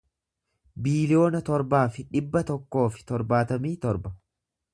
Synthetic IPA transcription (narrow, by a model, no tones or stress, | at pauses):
biːlɪjo̞ːnɐt̪ɔɾbaːfɪᶑɪbːɐt̪ɔkːo̞ːfɪ̥t̪ɔɾbaːt̪ɐmiːt̪ɔɾbɐ